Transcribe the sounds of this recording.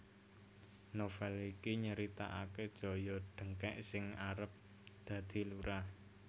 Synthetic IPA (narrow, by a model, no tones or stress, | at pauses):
nofɛlikiɲəɾit̪a̰ʔaked̥ʒ̥ɔ̤jɔɖ̪̥əŋkɛʔsɪŋaɾəp̚ | d̪̥a̤d̪̥i̤luɾah